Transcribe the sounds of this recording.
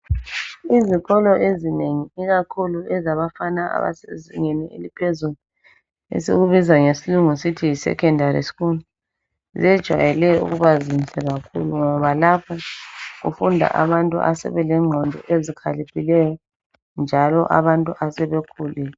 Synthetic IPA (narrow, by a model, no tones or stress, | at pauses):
izikʰɔlɔʔezineŋiiɣakʰuluɛzaβafanaa̰βa̰seziŋeniḛlipʰezulu | ḛseɣuβizaŋesiluŋusitʰijisɛ̰kʰɛndʱaɾḭsi̥kunu | zɛd̥ʒ̥ʱwa̰jɛlɛṵɣuβazinsɛɣakʰuluŋɔβalapʰɔɣṵfundʱa̰ʔa̰βantʼṵʔa̰sɛ̰βɛlɛŋ͡ǃʱɔndʱɔ̰ʔezikʰalipʰilɛjɔ | nd͡ʒʱalɔʔa̰βantʼuʔasɛβekʰuːlɛ